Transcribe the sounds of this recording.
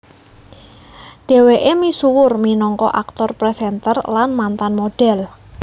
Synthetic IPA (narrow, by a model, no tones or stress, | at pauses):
ɖ̥e̤weʔemisuwʊrminɔŋkɔ̰ʔak̚t̪ɔrpɾɛsɛnt̪ərlanmant̪anmoɖ̥ɛl